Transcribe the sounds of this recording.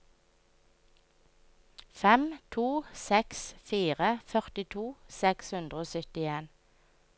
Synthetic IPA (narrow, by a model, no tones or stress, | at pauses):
fɛmt̪ʰuːsɛksfiːʁəfœʁt̪ɪt̪ʰuːsɛkshʉnd̪ʁəoːsʏt̪ɪeːn